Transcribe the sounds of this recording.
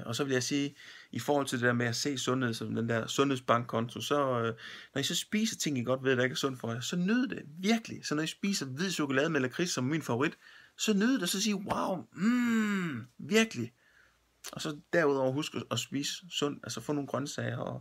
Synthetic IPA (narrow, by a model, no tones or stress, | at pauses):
ʔɒ̽sɒ̽ʋe̝ljɑ̈ɪsiːifɒːhɒ̽l̰t͡sʰld̥e̝deæɐmeæse̝̰ːsɔ̽nhe̝ð̞̰ˠsɒ̽md̥end̥æɐ̰sɔ̽nhe̝̰sb̥ɑ̈ŋ̰ɡ̥̚kʰɒ̽nt͡sʰo̝sɒ̽nɒ̽isɒ̽sb̥ḭːsɐt͡sʰe̝ŋ̰jiɡ̥ɒ̽d̥ʋeð̰ˠd̥æe̝ɡ̥æɐsɔ̽n̰̥fɒjɑsɒ̽nøðˠd̥e̝ʋiɐɡ̥əlisɒ̽nɒisb̥ḭːsɐʋið̞̰ˠɕo̝kʰolɛːð̞ˠəmelɐkʰʁissɒ̽mminfɑ̈oʁid̥sɒ̽nøðˠd̥e̝sɒ̽siːwɑ̈ʊm̩ | ʋiɐɡ̥əli | ʔɒ̽sɒ̽d̥æɐuðˠɒʊ̰ɐɦusɡ̥əɒ̽sb̥ḭːsːɔ̽n̰d̥ælsɐfɔ̰̽ːno̝ːnɡ̥ʁɶnsɛɪɐɒ